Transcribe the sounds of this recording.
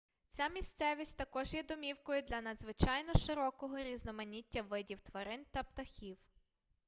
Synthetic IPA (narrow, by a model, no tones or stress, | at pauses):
t͡sʲamʲist̪sɛʋʲisʲtʲt̪ɐkɔʒjɛd̪ɔmʲiwkɔjʊd̪lʲɐnɐd̪zʋɪt͡ʃɑjnɔʃɪɾɔkɔɦɔɾʲiznɔmɐnʲitʲːɐʋɪdʲiwt̪ʋɐɾɪnt̪ɐpt̪ɐxʲiw